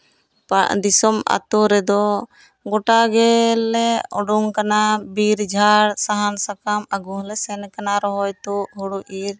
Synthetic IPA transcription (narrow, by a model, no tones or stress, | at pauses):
paʔd̪isɔma̰t̪uɾɛd̪ɔ | ɡɔʈaɡɛlɛɔɖuŋkanabiɾd͡ʒʱaɾsaɦansakamaɡuɦlɛsɛnkanaɾɔɦɔjt̪uʔɦuɽuʔiɾ